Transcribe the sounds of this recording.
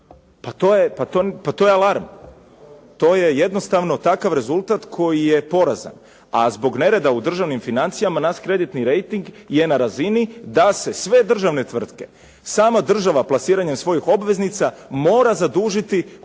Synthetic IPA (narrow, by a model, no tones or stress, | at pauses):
pat̪ojepat̪opat̪o̞ːjealˠaɾm | t̪o̞ːje̞je̞d̪no̞st̪aʋno̞t̪akaʋɾe̞zulˠt̪at̪kʰo̞jije̞po̞ɾaza̰n | azbo̞ɡne̞ɾe̞d̪aud̪r̩ʒaʋnimfinant̪sijamanaʃkɾe̞d̪it̪niɾe̞jt̪iŋɡje̞naɾazinid̪ase̞sʋe̞d̪r̩ʒaʋne̞t̪ʋr̩t̪ke̞̥ | saːmad̪r̩ʒaʋaplˠasiːɾaɲemsʋo̞jixo̞bʋe̞znit̪samo̞ːɾazad̪uːʒit̪i